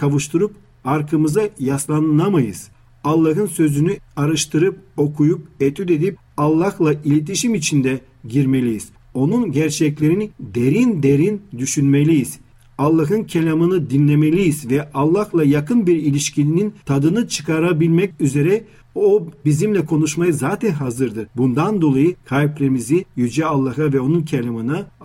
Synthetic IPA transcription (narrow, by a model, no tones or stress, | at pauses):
kʰavɯʃt̪ʰɯɾup | aɾkʰɯmɯzajaslˠannamajɯ̰z̥ | alˠːaɦɯnsø̞zynyaɾɯʃt̪ʰɯɾɯp̚o̞kʰujup̚et̪ʰyd̪e̞d̪ip̚ | alˠːahlˠaʔilʲet̪ʰiʃimit͡ʃʰind̪ɛ | ɟiɾme̞lʲijiz̥ | o̞nunɟæɾt͡ʃʰɛclʲe̞ɾinid̪eɾind̪e̞ɾind̪yʃynme̞lʲijiz̥ | alˠːaɦɯncʰelʲamɯnɯd̪inlʲe̞me̞lʲijizvɛʔalˠːahlˠajakʰɯnbiɾilʲiʃcʰinint̪ʰad̪ɯnɯt͡ʃʰɯ̥kʰaɾabilʲmɛcʲyze̞ɾɛ | obizimlʲɛkʰo̞nuʃmajɯzaːt̪ʰɛnɦazɯɾd̪ɯɾbund̪and̪o̞lˠajɯkʰajplʲeɾmizijyd͡ʒɛalˠːaɦavɛo̞nuncʰelʲamɯna